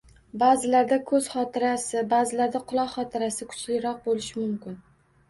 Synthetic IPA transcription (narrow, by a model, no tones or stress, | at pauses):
bazɪlaɾd̪akʰɵz̥χɒt̪ʰɪɾasɪbazɪlaɾd̪aqʰʊlˠɒqχɒt̪ʰɪɾasɪkʰʊ̥t͡ʃlɪɾɒq̚bolɪʃɪmʊmkʲɪn